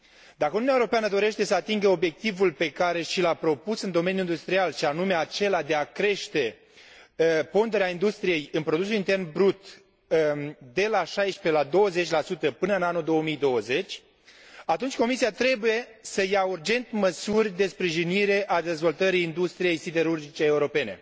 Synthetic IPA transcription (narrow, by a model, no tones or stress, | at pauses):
d̪akəununiaeɾopeanəd̪o̞ɾe̞ʃt̪e̞səat̪iŋɡəo̞bje̞k̚t̪ivulpe̞kaɾe̞ʃilapɾo̞pusɨnd̪o̞menjuind̪ust̪ɾialʃianume̞at͡ʃe̞lad̪e̞akɾe̞ʃt̪e̞ | po̞nd̪eɾeaind̪ust̪ɾije̞jɨnpɾo̞d̪usulint̪e̞rnbɾut̪ | d̪e̞laʃajʃpe̞lad̪o̞wəze̞t͡ʃʲlasut̪əpɨnəɨnanud̪o̞womijd̪o̞wəze̞t͡ʃʲ | at̪unt͡ʃʲko̞misiat̪ɾe̞buje̞səjaurd͡ʒe̞nt̪məsurʲd̪e̞spɾiʒiniɾe̞ʔad̪e̞zvo̞lt̪əɾiːnd̪ust̪ɾije̞jsid̪e̞ɾurd͡ʒit͡ʃeːuɾo̞pe̞ne̞̰